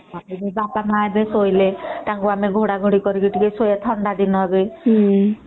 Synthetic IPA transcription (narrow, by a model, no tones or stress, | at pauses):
amibebapamaebesojlet̪aŋkuameɡʱoɽaɡʱoɽikɔɾikiʈikesojat̪ʰɔɳɖad̪inɔbi